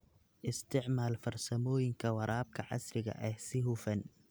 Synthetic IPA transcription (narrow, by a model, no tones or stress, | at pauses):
ʔɪst̪ʰɪʕmaːlfɐrsɐmɔːjɪŋkʰɐwɑɾʔaːb̚kʰɐʕɑ̰srɪɣɐ̰ʔɛhsɪɦʊfɐn